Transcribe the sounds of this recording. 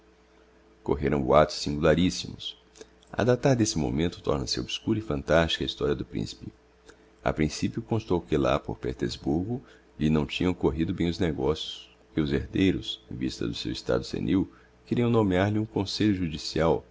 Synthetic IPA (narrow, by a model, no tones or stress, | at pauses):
ko̰ɦeɾɐ̃w̃boat̪ʊ̥sːĩŋɡulaɾisimʊs | a̰d̪at̪aɾd̪esɪmo̰mẽnt̪ʊ̥t̪ɔ̰ɾnɐsɪobskuɾɐifɐ̃nt̪ast͡ʃi̥kɐist̪ɔɾiɐd̪ʊpɾḭ̃si̥pɪ | a̰pɾĩsipjʊkõst̪owkɪla̰po̰ɾpet̪ḛzbuɾɡʊ | lɪnɐ̃w̃t͡ʃĩɲɐ̃w̃koɦid̪ʊbẽj̃ʊzneɡɔsjʊs | ɪʊzeɾd̪ejɾʊsẽvist̪ɐ̰d̪ʊsḛwist̪a̰d̪ʊsḛnʔiw | keɾiɐ̃w̃nõmeaɾlɪũkõseʎʊʒud͡ʒisiaw